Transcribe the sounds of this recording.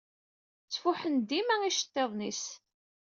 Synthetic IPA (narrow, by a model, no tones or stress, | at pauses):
t͡sːfuħənd̪imæiʃə̥t̪ˤːeðˤnis